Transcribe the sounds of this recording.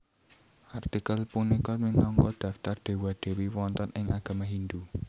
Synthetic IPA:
ʔart̪ikəlpunikɔminɔŋkɔd̪̥ä̤ft̪ard̪̥e̤wad̪̥e̤wiwɔnt̪ɔnɪŋaɡ̥a̤maɦind̪u

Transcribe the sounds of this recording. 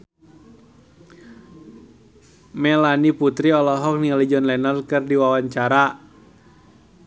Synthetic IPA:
mɛlaniput̪ɾiɔlɔɦɔk̚nialid͡ʒɔnlɛnarkɨrdiwawaɲt͡ʃaɾa

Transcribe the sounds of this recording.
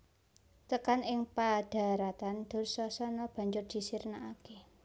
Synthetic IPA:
t̪əkanɪŋpad̥a̤ɾat̪and̪̥o̤rsɔsɔnɔb̥a̤ɲd͡ʒʊrd̪̥i̤sirnaake

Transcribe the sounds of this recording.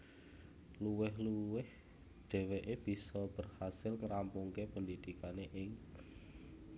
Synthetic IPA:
luwɪɦluwɪh | d̪̥ɛ̤weʔeb̥i̤sɔb̥ə̤rhasɪlŋəɾampuŋkepənd̪id̪ikaneʔɪŋ

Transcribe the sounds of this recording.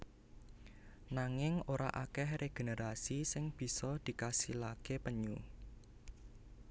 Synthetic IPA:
naŋɪŋoɾa̰ʔakɛhreɡ̥e̤neɾasisɪŋb̥i̤sɔd̪̥i̤kasilakepəɲu

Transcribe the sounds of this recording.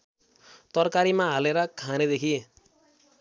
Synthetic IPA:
t̪ʌrkaɾimaɦaleɾʌkʰaned̪ekʰi

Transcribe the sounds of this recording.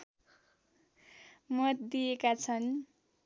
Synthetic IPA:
mʌt̪d̪iekat͡sʰʌn

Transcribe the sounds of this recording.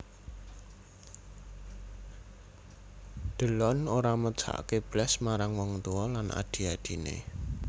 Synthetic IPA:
d̪̥ə̤lɔnoɾamə̥t͡ʃa̰ʔkeb̥lɛsmaɾaŋwɔŋt̪uwɔlanʔa̰d̪̥i̤ad̪̥i̤nḛ

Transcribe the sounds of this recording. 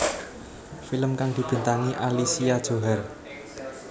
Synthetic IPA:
filəmkaŋd̪̥i̤b̥ə̤nt̪aŋiʔalisiad̥ʒ̥o̤ɦɛr

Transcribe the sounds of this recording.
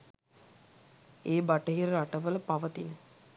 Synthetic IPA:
eːbaʈəɦiɾəɾaʈəʋələpaʋət̪inə

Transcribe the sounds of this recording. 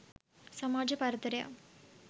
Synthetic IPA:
sɐmaːd͡ʒɐpɐɾɐt̪ɐɾɐja̰ː

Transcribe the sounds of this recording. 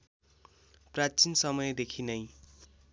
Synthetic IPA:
prat͡sinsʌmʌjd̪ekʰinʌj

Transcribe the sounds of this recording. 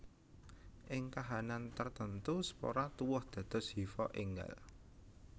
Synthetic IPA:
ʔɪŋkaɦanant̪ərt̪ənt̪usə̥po̰ɾat̪uwʊhd̪̥ä̤d̪̥ɔ̤shifɔʔeŋɡa̰l

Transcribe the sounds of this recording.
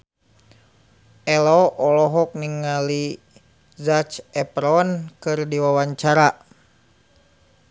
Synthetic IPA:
ɛlɔʔɔlɔɦɔk̚niŋali | zat͡ʃɛpɾɔnkɨrdiwawaɲt͡ʃaɾa

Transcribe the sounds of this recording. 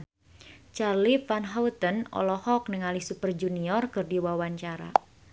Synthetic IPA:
t͡ʃarlifanɦaut̪ənɔ̰lɔhɔk̚nəŋalihsupərd͡ʒuniɔrkɨrdiwawaɲt͡ʃaɾa̰

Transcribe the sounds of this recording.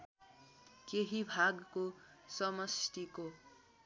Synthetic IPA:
keɦibʱaɡkosʌmʌsʈ̪iko

